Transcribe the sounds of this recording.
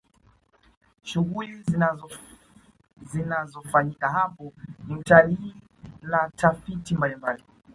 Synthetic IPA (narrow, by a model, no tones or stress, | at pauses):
ʃuɣuliz | zinazɔfaɲikaɦapɔniutali | natʰafitimbalimbali